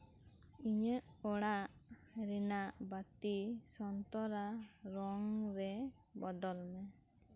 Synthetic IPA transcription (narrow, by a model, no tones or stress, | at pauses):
iɲəʔ | ɔɽaʔ | ɾɛnaʔbat̪isɔnt̪ɔɾaɾɔŋɾɛbɔd̪ɔlmɛ